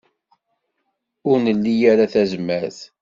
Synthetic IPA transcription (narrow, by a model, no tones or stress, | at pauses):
ʊɾnəlːijæɾaθæzmæθ